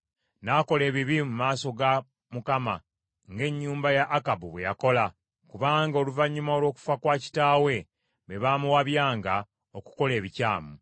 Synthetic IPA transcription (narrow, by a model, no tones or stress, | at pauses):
naːko̞le̞ːβiβimumaːso̞ɡa | mukama̰ | ŋɡe̞ɲːuːmbajaʔːkabuβwe̞ja̰ko̞la | kuβaːŋɡao̞luvaɲːumao̞lwo̞ːku̥fakwaːci̥taːwe̞ | βe̞βaːmuwaβjaːŋɡa | o̞ku̥ko̞le̞ːβicaːmu